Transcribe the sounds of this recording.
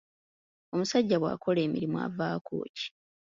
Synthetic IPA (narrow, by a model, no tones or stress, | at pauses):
o̞musaɟːaβwa̰ːkʰo̞le̞ːmḭɾimwa̰vaːkʰo̞̰ːci̥